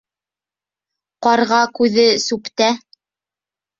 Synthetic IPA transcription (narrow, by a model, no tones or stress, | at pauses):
qɑɾʁɑkʉðɘsʉpt̪æ